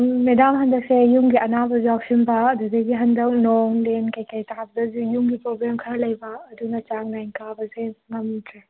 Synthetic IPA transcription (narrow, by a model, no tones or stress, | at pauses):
medamɦɐndɐk̚sejuŋɡiɐnabɐzaksinbɐduzeɡiɦɐndɐk̚noŋlenkajkajtabɐdɐzujuŋɡipɾobɾemkʰɐɾɐlɐjbɐːdunɐt͡ʃaŋnajŋkabɐzensŋamitʰɾa